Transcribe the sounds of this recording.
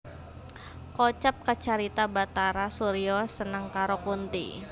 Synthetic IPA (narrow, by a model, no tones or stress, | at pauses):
kot͡ʃap̚kat͡ʃaɾit̪abat̪aɾasuɾiɔsənəŋkaɾokunt̪ḭ